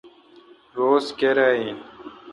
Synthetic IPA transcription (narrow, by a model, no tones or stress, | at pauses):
ɾoːskeɾaːĩːn